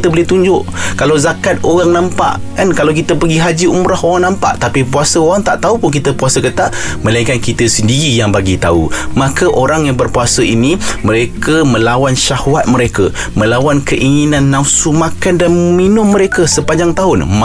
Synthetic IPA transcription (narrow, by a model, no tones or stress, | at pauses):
t̪əbəlɪht̪uɲd͡ʒʊʔkalawzakat̪̚oɣaŋnãmpa̰ʔ | kankalawkit̪əpəɡiɦad͡ʒiumɾahoɣaŋnãmpa̰ʔt̪apipuasəoɣaŋt̪aʔt̪aupʊnk̬it̪əpuasəkət̪aʔmə̃laikankit̪əsəndiɾijaŋbaɡit̪a̰ṵmakəʔoɾaŋjaŋbərpuasəinimə̃ɾekəmə̃lawanʃahwat̪̚mə̃ɾekə | mə̃lawankəʔiŋinãnːãusumakandanminʊmːə̃ɾekəsəpaɲd͡ʒaŋt̪aɦʊnm